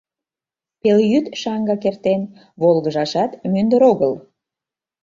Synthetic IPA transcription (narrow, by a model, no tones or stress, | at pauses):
peljyt̪ʃɑŋɡɑkert̪en | βolɣəʒɑʃɑt̪mynd̪əɾoɣəl